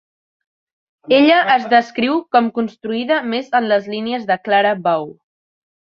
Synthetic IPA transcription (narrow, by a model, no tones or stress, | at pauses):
eʎəʔːzðəskɾiwkɔmkunst̪ɾuiðəmezənləzliniəzðəklaɾəbaw